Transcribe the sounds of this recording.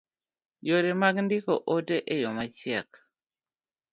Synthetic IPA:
joɾemaɡndɪkoʔodeʔejɔmat͡ʃjɛk

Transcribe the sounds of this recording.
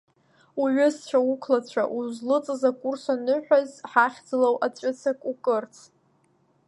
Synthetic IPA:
uʕʊst͡ɕʷʰaukʰlat͡ɕʷʰa̰ʔuzlɨt͡sʼɨzakʼursanɨħʷᶣazħaχʲd͡zɨlowʔat͡ɕʷʼʏt͡sʰakʼukʼɨrt͡sʰ

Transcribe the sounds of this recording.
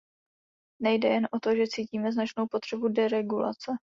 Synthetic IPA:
nɛjdɛjɛnʔo̞t̪o̞ʒɛt͡siːciːmɛznat͡ʃno̞wpo̞t̪r̝̥ɛbudɛɾɛɡula̰t͡sɛ

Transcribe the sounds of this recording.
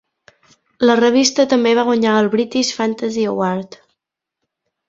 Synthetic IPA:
lərəβ̞ist̪ət̪əmbeβ̞aɣwaɲaəlˠβɾit̪iʃfant̪əziowaɾt̪

